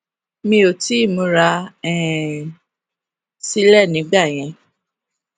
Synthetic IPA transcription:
mĩ˧o˨ti˨˦˨mõ˨˧˦ɾa˧ɛ˦˨ | si˦lɛ˦˨nĩ˨˦ɡ͡ba˦˨j̃ɛ̃˧

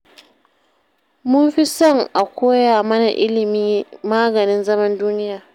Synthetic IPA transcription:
mʊ˦mɸi˦sɔ˦ŋʔa˨kʷoː˦jaː˨mɐ˦na˨ʔɪ˦lɪ˨miː˦maː˦ɡɐ˨nɪ˦nzɐ˦mɐ˦nduː˦nɪ˦jaː˨

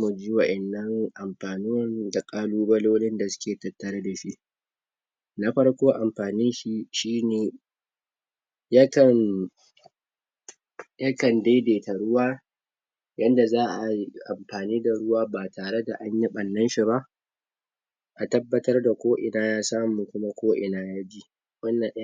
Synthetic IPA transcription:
mu˨d͡ʒiː˦wɐ˨ʔɛ˨nːɐ˦ŋʔa˨mɸaː˨nʊ˦wɐ˦nda˨kʼaː˦luː˦bɐ˦loː˦lɪ˦nda˨sʊ̥˦kʲeː˨tɐ˨tːɐ˨ɾa˦da˨ʃi˦ʔ | na˦ɸɐ˦ɽkʷoː˦ʔa˨mɸaː˨nɪ˦nʃi˦ʃiː˦neː˨ | ja˦kɐ˨n | ja˦kɐ˨ndeː˦deː˨ta˨ɽʊ˦waː˦ | jɐ˦nda˨zaː˦ʔa˨˦ʔa̰˨mɸaː˨niː˦da˨ɽʊ˦waː˦baː˨taː˨ɽe˦da˨ʔa˦ɲji˦ɓɐ˨nːɐ˦nʃi˨ba˦ʔ | ʔa˨tɐ˦bːɐ˦tɐ˦rda˨kʷoː˦ʔɪ˨naː˦jaː˦saː˦mu˨kʷʊ˦ma˦kʷoː˦ʔɪ˨naː˦jaː˦d͡ʒi˦ʔ | wɐ˦nːɐ˨nʔ

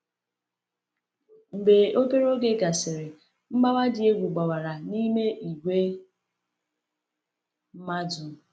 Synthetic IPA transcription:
m̩˨be˨o˦pe˦ɾo˦ɡe˦ɡa˨sɪ˨ɾɪ˨ | m̩˦ma˦wa˦dɪ˨e˦ɡʷu˨ɡ͡ba˨wa˨ɾa˨ni˦me˦ʔi˨ɡʷe˦ | m̩˦ma˦du˨

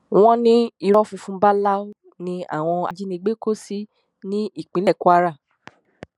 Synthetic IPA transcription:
w̃ɔ̃˦nĩ˦i˧ɾɔ˦fũ˧fũ˦ba˦la˦o˦ | nĩ˧a̰˦˨w̃ɔ̃˧a̰˨d͡ʒi˦nĩ˧ɡ͡be˦ko˦˨si˦ | nĩ˦i˦˨k͡pĩ˨˦lɛ˦˨ku˦a˦˧ɾa˦˨

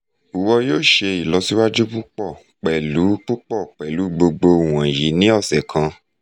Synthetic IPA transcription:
u˨wɔ˧joː˦˨ʃe˧i˨lɔ˧˦si˦wa˦d͡ʒu˦k͡pu˦k͡pɔ˦˨ | k͡pɛ˨lu˨˦k͡pu˦k͡pɔ˦˨k͡pɛ˨lu˨˦ɡ͡bo˧ɡ͡bo˧˨w̃ã˨ji˨˦nĩ˦ɔ˦˨sɛ˨kʰã˧

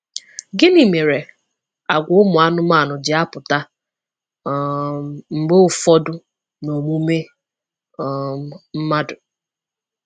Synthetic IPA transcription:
ɡɪ˦ni˨me˨ɾe˨ | a˨ɡʷʊ˨˦ʊ˦mʊ˨a˦nʊ˦ma˦˨nʊ˨d͡ʒɪ˨a˦pʊ˨ta˦ | m̩˨ɡ͡be˦ʊ˨fɔ˦dʊ˦ | no˨mu˦me˦˨ | m̩˦ma˦dʊ˨

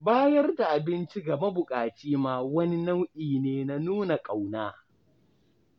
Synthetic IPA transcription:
baː˦jɐ˦rda˨ʔa˨bɪ˦nt͡ʃi˦ɡa˨mɐ˦bʊ˨kʼaː˨t͡ʃiː˦maː˦wɐ˦ni˦nɐ˦wʔiː˨neː˦na˦nuː˦na˨kʼa˨wnaː˦

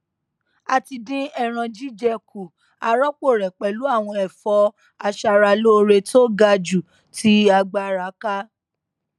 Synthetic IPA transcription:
a˧˨ti˧dĩ˦ɛ˦˨ɾ̃ã˧d͡ʒi˦d͡ʒɛ˧kʰu˨ | a˧ɾɔ˦k͡po˦˨ɾɛ˨k͡pɛ˨lu˨˦a˦˨w̃ɔ̃˧ɛ˨fɔ˧˦ | a˧ʃa˧ɾa˧lo˦˧ɾe˧tʰo˦ɡa˧d͡ʒu˨ | tʰi˧˦a˧ɡ͡ba˧ɾa˨˦ka˦

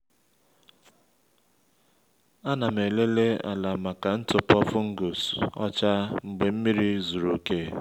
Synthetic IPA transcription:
a˦na˨m̩˨e˨le˦le˦a̰˨la˨ma˨ka˨n̩˦tʊ˨pɔ˦fʊ˦ŋ̩˦ɡu˨sɔ̰˦t͡ʃa˦ŋ͡m̩˨ɡ͡be˨m̩˦mi˦ɾi˦zu˨ɾu˨ke˦

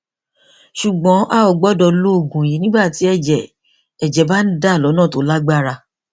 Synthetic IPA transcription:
ʃu˨ɡ͡bɔ̃˨˦ʔa˦˨ɔ˨ɡ͡bɔ˨˦dɔ˧lo˦o˦˨ɡũ˨ji˨˦nĩ˦ɡ͡ba˦˨ti˨˦ɛ˦˨d͡ʒɛ˨ | ɛ˨d͡ʒɛ˨˦ba˦n̩˦da˦˨lɔ˨˦nãː˦˨to˨˦la˦ɡ͡ba˦˨ɾa˧

